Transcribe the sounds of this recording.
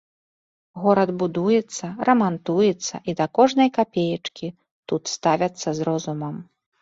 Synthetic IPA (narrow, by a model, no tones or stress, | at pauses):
ɣɔɾɐd̪bud̪ujɛt̪sːɐɾɐmant̪ujɛt̪sːɐ̰ʔid̪ɐkɔʐnɐjkapʲejɐt͡ʂkʲi | t̪ut̪st̪avʲɐt̪sːɐzɾɔzumɐm